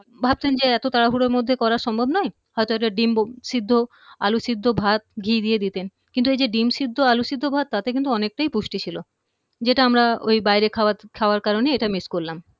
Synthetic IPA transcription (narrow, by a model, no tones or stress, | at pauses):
bʱab̚t̪end͡ʑeɛt̪ot̪aɾaɦuɽeɾmod̪ʱːekɔɾaɾʃɔmbʱobnɔe | ɦɔjt̪oɛkʈaɖimʃid̪ʱːo | a̰luʃid̪ʱːobʱat̪̚ɡʱid̪ijed̪it̪en | kint̪uejd͡ʑeɖimʃid̪ʱːoaluʃid̪ʱːobʱat̪ːat̪ekint̪uɔnek̚ʈajpuʃʈit͡ɕʰilo | d͡ʑeʈaamɾao̰jbajɾekʰaat̪kʰaoaɾkaɾoneeʈamiskoɾlam